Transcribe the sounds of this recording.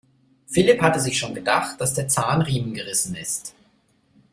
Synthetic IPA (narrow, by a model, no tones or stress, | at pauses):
fɪlɪphatəzɪçʃoːnɡədaχt̚d̥asd̥eːɐt͡saːnʁiːmənɡəʁɪsn̩ɪst